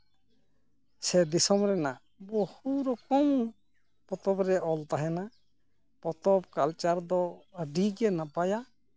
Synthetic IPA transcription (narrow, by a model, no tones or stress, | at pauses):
sɛd̪isɔmɾɛna | bohuɾɔkɔw | pɔt̪ɔbɾɛʔɔlt̪aɦɛna | pɔt̪ɔb̚kalt͡ʃaɾd̪ɔəɖiɡɛnapaja